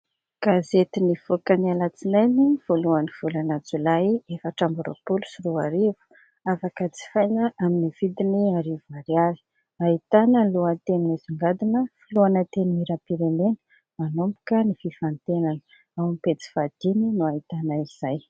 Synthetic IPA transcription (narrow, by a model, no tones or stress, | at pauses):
ɡ̥azet̪iniv̥okənialat͡sinajniv̥oluaniv̥ulanad͡zulaiefaʈ͡ʂambuɾo̰pulu̥siɾuaɾivu̥ | afakət͡si̥fajnəʔaminiv̥id̪iniaɾivuaɾjaɾi̥ | ait̪anəluat̪eniiziŋɡad̪inəfiluanət̪enimiɾapiɾemenə̥ | manombu̥kənififant̪enanə | awmipet͡si̥fad̪̥ininuait̪anaiz̥aj